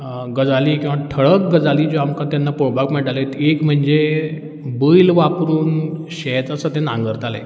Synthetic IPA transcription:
ɡəd͡zaliːkĩw̃ʋaʈʰəɭək̚ɡəd͡zaliːd͡ʑoamkãt̪janːapoɽbakmɛʈalet̪ekm̤əɳd͡ze | bəjlʋapɾuːnɕɛt̪əsət̪ɛ̃nã̰ŋɡəɾt̪alḛ

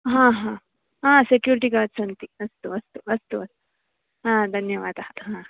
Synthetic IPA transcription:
ɦãːɦãː | ɦãːsekjuːɾiʈiɡaːɖsɐnt̪iɐst̪uɐst̪uɐst̪uɐst̪u̥ | ɦãːd̪ʱɐnjɐʋaːd̪aɦãː

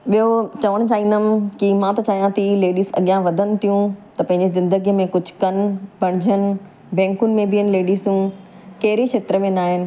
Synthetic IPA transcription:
ɓijot͡ɕɐʋəɽ̃ʊ̆t͡ɕaːɦĩnd̪əmkimãt̪ɐt͡ɕaːɦijãt̪ʰileːɖiːzɐ̰ɠijãʋɐd̪ʱənɪ̆t̪ʰijũt̪ɐpɐ̃ɦɪ̃ɲd͡ʑezɪ̃nd̪əɡijmẽkʊd͡ʑʱʊ̥kɐnbʱɐɽ̃ɪd͡ʑʱənɪ | bɛ̃ːŋkʊnɪ̆mẽbiənɪ̆leːɖiːzjũ | kɐɦɪɾit͡ɕʰeːt̪ɾəmẽnaːɦɪnɪ̆

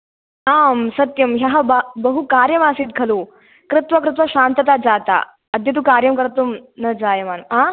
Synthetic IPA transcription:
aːmsɐt̪jɐmɦjaɦɐbabɐɦukaːɾjɐmaːsiːt̪̚ɡʱɐlu | kɾɪt̪ʋɐkɾɪt̪̬ʋɐɕaːnt̪ɐt̪ad͡zaːt̪a̰ | ɐd̪jɐt̪̬ukaːɾjɐmkɐɾɐt̪ːumnɐd͡zaːjemaːnɐmã

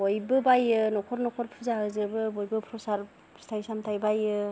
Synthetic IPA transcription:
bojbɯbajɯnɔkʰɔɾnɔkʰɔɾpʰuzaɦɯzɯbɯbojbɯpʰɾɔsaɾʰ | stʰajsamtʰajbajɯ

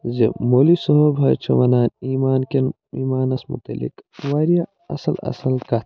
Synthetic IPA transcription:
zḛmoːlisɔɦobʱɐt͡ʃʰɐʋɐnaːniːmaːnken | iːmaːnɐsmṵt̪ɐlḭkʋaːɾija | ɐ̰sɐlɐ̰sɐlkɐt̪

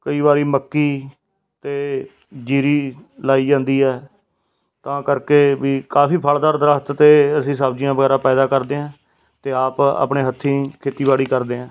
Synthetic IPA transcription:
kəiːbaːɾiːməkːiː | t̪eː | d͡ʒiːɾiːlaːiːd͡ʒãːnd̪iːɛː | t̪ãːkəɾkeːʋiːkaːpiːpʰəld̪aːɾd̪əɾəst̪t̪eːəsĩːs̬aːbd͡ʒɪjãːbəɡɛːɾaːpɛːd̪aːkəɾd̪eːãː | t̪eːaːpa̰ːpɳeːɦət̪ʰːĩːkʰeːt̪iːbaːɽiːkəɾd̪eːãː

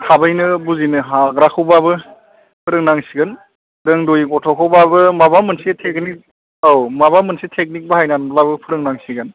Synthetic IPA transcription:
kʰabajnɯbuzinɯɦaɡɾakʰɯwbabɯ | pʰɯɾɯŋnaŋsiɡɯn | dɯŋdojɡɔtʰɔkʰɯwbabɯmabamɯnsetʰek̚nik̚ | awmaβamɯnsitʰek̚nik̚bahajnanblabɯpʰɯɾɯŋnaŋsiɡɯn

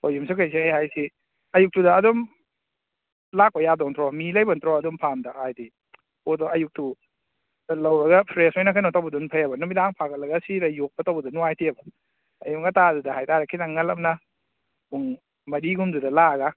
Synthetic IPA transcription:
ojums̬ukʰajs̬ihajhajsi | ɐjuk̚tudaːdɔm | lak̚pajadɔŋtʰɾɔmilajbantʰɾɔɐdumpʰamdahajdi | odɔʔɐjuk̚tu | lawɾɐɡapʰɾesojnakʰajnɔtawbɐdunpʰajabɐnumidaŋpʰakʰat̚lɐɡasiɾajuk̚batawbɐdunuajtʰiɐbɐː | juŋatadudaɦajtaɾakʰinaŋːalap̚na | buŋ | mɐɾiɡumdudɐlaɡa

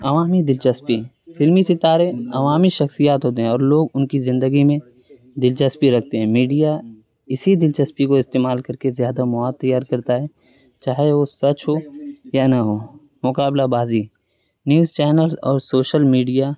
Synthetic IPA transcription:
ɐʋaːmid̪ɪlt͡ʃɐspi | fʰɪlmisɪt̪aːɾeɐʋaːmiʃɐxsijaːt̪ɦoːt̪̬eɦɛ̃ɔːɾloːɡʊnkizɪ̃nd̪əɡimẽ | d̪ɪlt͡ʃəspiɾɐk̚ʰt̪eɦɛ̃miːɖija | ɪsid̪ɪlt͡ʃɐspikoɪst̪eːmaːlkɐɾkezjaːd̪amʊaːd̪̚ːɐjːaːɾkɐɾt̪aɦɛː | t͡ʃaːɦeʋosɐt͡ʃɦojanɐɦoː | mʊkaːblabaːzi | njuːzt͡ʃɛːnəlzɔːɾsoːʃəlmiːɖija

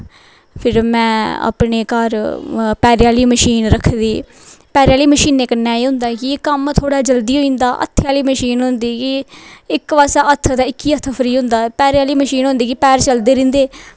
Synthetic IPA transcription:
pʰɪɾmɛ̃ːa̰ːpɳeːkəɾpɛːɾɪjaːliːməʃiːnɾəkʰːd̪iː | pɛːɾjaːliːməʃiːnːeːkənːaːeːɦʊ̃nd̪aːkɪkəmt̪ʰoːɽaːd͡ʒəld̪iːɦoĩːnd̪aːʔə̰t̪ʰːjaːliːməʃiːnɦʊ̃nd̪iːkɪɪkʋaːsaːʔət̪ʰːd̪aːɪkːiːət̪ʰːəpʰəɾiːɦʊ̃nd̪aːpɛːɾɪjaːliːməʃiːnɦʊ̃nd̪iːkipɛːɾt͡ʃəld̪eːɾɪ̃ːnd̪eː

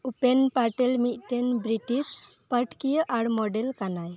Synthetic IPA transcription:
upenpaʈelmit̪̚ˀʈenbɾiʈis | pəʈkijəʔaɽmɔɖelkanaj

